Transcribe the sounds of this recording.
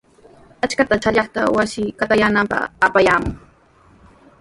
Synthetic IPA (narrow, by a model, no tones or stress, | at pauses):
at͡ʃkat̪at͡ʃaʎɑχt̪a̰wasɪkat̪ajaːnampɑ̰χapajaːmʊŋ